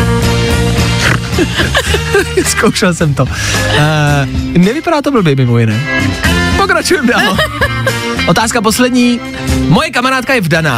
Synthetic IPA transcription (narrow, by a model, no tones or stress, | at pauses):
ɛskowʃɛlsɛmt̪o | nɛvɪpadaːt̪ovl̩bɛjmɪmojɪnɛː | pokɾat͡ʃujɛmdaːlo | ʔot̪aːskap̬o̞slɛdɲiː | mojɛkamaɾaːt̪kajɛvdana̰ː